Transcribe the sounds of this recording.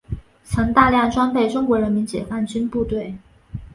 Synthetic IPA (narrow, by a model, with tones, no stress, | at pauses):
t͡sʰɤ˧˥ŋt̪a˥˧ljɑ˥˩ŋʈ͡ʂwa˥npe˥˩ɪʈ͡ʂʊ˥ŋkwɔ˧˥ɻə˧˥nmi˧˥nt͡ɕjɛ˨˩fa˥˩nt͡ɕy˥npu˥˧t̪we˥˩ɪ